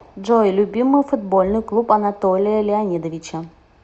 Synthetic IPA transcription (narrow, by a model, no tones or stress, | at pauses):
ʐojlʲubʲimːɨjfud̪bolʲnɨjklˠupɐnat̪olʲɪjəlʲɪanʲid̪əvʲit͡ɕə